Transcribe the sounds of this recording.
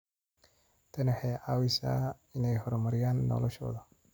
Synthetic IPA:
t̪ʰɐnɛħɛːʕawɪsa̰ː | ɪnɛjɦɔɾɔmɐɾɪjaːnːɔ̰lɔʃɔ̰ːðɐ

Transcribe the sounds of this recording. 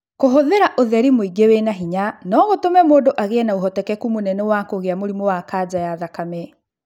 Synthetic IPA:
koɦoðeɾaʔoðɛɾimoiɡewenaɦiɲanɔɣotomɛmoːndoʔaɣeɛnaoɦɔtɛkɛkumonɛnɛwakoɣeamoɾimowakad͡ʑajaðakamɛ

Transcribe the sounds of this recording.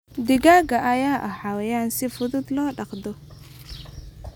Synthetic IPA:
d̪ɪɡaːɡɐʔɐjaːʔɐħɑwɛjaːnsɪfʊðʊd̪lɔːɖɑqd̪ɔ

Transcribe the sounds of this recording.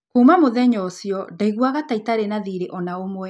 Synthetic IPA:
kuːmamoðɛɲɔsjɔdaiɣwaɣataitaɾenaðiɾeʔɔnaomwɛ

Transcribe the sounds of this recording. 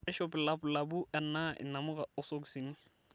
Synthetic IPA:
ɛʃɔpɪlaplabʊʔɛnːaʔɪ̰namʊɣaʊsok̬usinɪ

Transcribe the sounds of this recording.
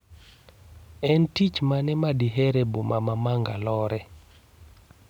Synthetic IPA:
ɛntit͡ʃmanɛmadiɦeɾebomamamaŋɡalɔɾɛ

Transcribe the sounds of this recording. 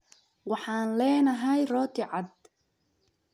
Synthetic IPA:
wɑħɑːnlɛːnɐɦɛjrɔːt̪ʰɪʕɑd̪̚

